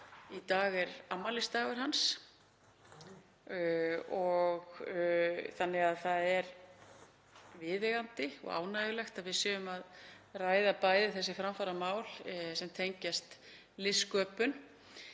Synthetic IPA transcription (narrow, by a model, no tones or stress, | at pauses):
it̪aːɣɛɾamːalɪst̪aːɣʏɾ̥ɦans | ɔɣ | θanːɪɣaðθaðɛɾ | vɪːðɛɣant̪ɪɔ̰ɣa̰ːwnajʏlɛxt̪aðvɪðsɛːɣʏmað | raːjðapaːjðɪθɛs̬ːɪfɾamfaɾamaːwl̥sɛmt̪ʰejɲcast̪ | lɪskœːpʏn